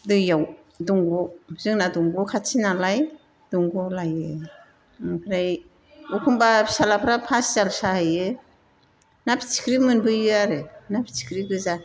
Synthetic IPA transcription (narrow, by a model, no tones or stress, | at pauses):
dɯjaw | dɔŋɡɔzɯŋnadɔŋɡɔkʰatʰinalaj | d̥uŋɡɔlajɯ | kʰɾaj | ukʰumbasalapʰɾapʰaszalsahajɯ | napʰi̥t͡ʃʰi̥kʰɾimɯnbɯjɯaɾɯnapʰi̥t͡ʃʰi̥kʰɾiɡɯza